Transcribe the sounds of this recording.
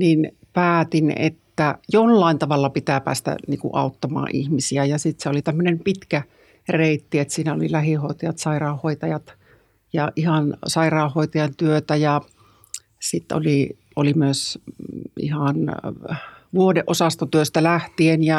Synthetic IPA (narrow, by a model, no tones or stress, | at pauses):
nin | pæːt̪inḛt̪ːæjolːɑˑint̪ɑʋɑlːɑpit̪æpæ̰ːst̪æ̰nḭːŋkṵʔɑ̰ut̪ːɑmɑ̰ːʔʔḭhmisiæjɑsit̪seolit̪æmːønempit̪kæ | reit̪ːiet̪siːnæo̰lilæhihoˑit̪ɑjɑt̪sɑirɑˑuhhoit̪ɑjɑt̪ | jɑʔihɑnsɑirɑːˑohhːoˑit̪ɑjɑnt̪yøt̪æjɑ | sit̪ːo̰li | ʔo̰limyøs | ḭhɑn | ʋuodeʔosɑst̪ot̪yøst̪ælæht̪ienjɑ